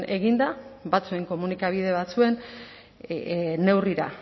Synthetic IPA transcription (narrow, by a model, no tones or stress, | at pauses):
e̞ɣind̪aβat͡sue̞ŋko̞munikaβ̞iðe̞β̞at͡sue̞n | ne̞wriɾa̰